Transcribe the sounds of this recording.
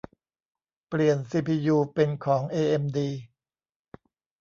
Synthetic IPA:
pli˨˩ənsiː˧˩pʰiː˧juː˧pe˧nkʰɔː˩˦ŋʔeː˧ʔe˧mdiː˧

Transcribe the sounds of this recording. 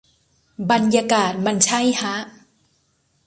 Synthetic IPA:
ba˧nja˧kaː˨˩t̪̚ma˧nt͡ɕʰa˥˩˨jha˦˥ʔ

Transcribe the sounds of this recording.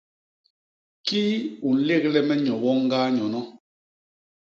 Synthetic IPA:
ki˦u˨n̩˨˦le˦˨k̚lɛ˦mɛ˦ɲɔ˨wɔ˦ŋ˦ɡaː˦ɲɔ˨nɔ˦

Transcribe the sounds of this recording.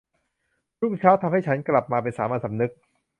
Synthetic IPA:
ɾu˥˩ŋt͡ɕʰaː˦˥wt̪ʰa˧mha˥˩jt͡ɕʰa˦˥nkla˨˩p̚maː˧p̬e˧nsaː˩˦maː˧˥˩sa˩˦mnɯ˦˥k̚

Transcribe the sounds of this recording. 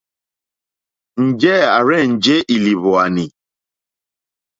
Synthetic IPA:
n̩˨d͡ʒɛ˦a˨ɾɛ˦˨n̩˨d͡ʒe˦ʔi˨li˨βɔ˨a˨ni˨

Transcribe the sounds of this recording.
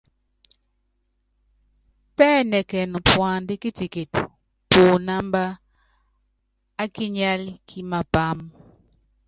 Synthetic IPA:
pɛ˦nɛ˨kɛ˨nɔ˨pwa˨ndɪ˦kɪ˦ti˨ke˨t | po˨na˦mba˦ | kɪ˦ɲa˦lkʰɪ˦ma˨pa˦m

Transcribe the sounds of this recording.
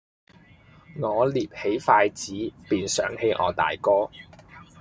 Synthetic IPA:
ŋɔː˨˧liː˨˩p̚he˨˥jfaː˧jt͡siː˨˥piː˨nsœ̰ː˨˥ŋhe˨˥jʔɔ̰ː˨˧t̪a̰ː˨jkɔː˥

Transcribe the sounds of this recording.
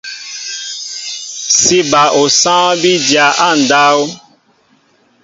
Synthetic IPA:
si˦ba˨ʔo˨sã˦bi˦dja˨ʔa˦˨n̩˨da˦o˦

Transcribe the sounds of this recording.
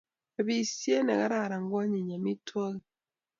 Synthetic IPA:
a˨βi˨sje˦nɛ˨ɣa˦ɾa˦˨ɾa˨ŋɡwa˦ɲi˨ɲa˨mi˦twa˦ɣi˨

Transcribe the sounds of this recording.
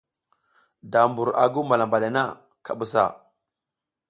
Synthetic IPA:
da˨mbu˨ɾa̰˨ɡu˦ma˨la˨mba˨la˨na̰˦ | kʰa˨ɓu˨sa̰˨

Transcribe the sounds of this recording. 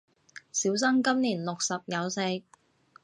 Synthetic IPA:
siː˨˥ws̬ɐ˥ŋkɐ˥mniː˨˩nlʊ˨k̚sɐ˨p̚jɐ˨˧wse˧k̚

